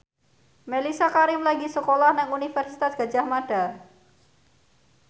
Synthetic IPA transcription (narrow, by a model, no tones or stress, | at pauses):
melisakaɾɪmlaɡisəkolahnɛŋunifɛrsit̪asɡ̥a̤̥ʒ̥ahmaɖ̥a